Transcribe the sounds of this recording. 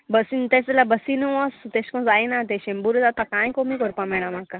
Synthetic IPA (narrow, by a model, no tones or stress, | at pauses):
bəsint̪eslabəsinuɔst̪eskɔ̃d͡zajnat̪̬eɕembuɾut̪at̪akãjkomikɔɾpãmɛɭ̃ãmaka